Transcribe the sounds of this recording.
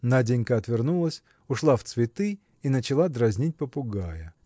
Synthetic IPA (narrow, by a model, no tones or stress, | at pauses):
nadʲenʲkəɐt̪vʲɪrnulˠəsʲ | ʊʂlˠaft̪svʲɪt̪ɨ | inət͡ɕɪlˠad̪ɾɐzʲnʲit̚ʲpəpʊɡajə